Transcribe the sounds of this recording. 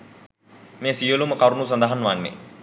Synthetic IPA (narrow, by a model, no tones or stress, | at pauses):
mejːsijoluməkɐɾunuːs̬ɐnd̪əɦanʋanːḛ